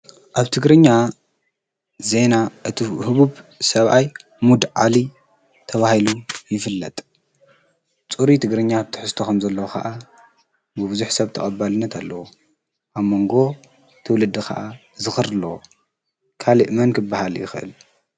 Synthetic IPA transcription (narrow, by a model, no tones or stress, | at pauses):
ʔaβt̪ʰɨɡɾɨɲːa | ze̞naʔɨt̪ʰihɨβuβsɐβʔaj | mud̪ʕali | t̪ʰɐβahilujɪfɨlːɐt̪ʼ | t͡sʼuɾit̪ʰɨɡɾɨɲːat̪ʰɨ̥ħɨst̪ʰokʰɐmzɐlːɐwoxʰa̰ʔa | bɨβɨzuħsɐβt̪ʰɐ̰χʼɐbːalɨnːɐt̪ʰalːɐwo | ʔaβmo̞ŋɡo̞ | t̪ʰɨwlɨd̪ːɨkʰa̰ʔa | zɨxɨɾlɐwo | kʰaliʔmɐnkʰɨbːahaljɪ̰xɨʔɨ̰l